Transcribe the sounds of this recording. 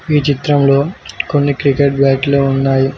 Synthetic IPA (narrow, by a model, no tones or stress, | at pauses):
iːt͡ʃit̪ɾɐmlo̞ːkonːikɾikeʈ̚bɐjʈloːunːaːji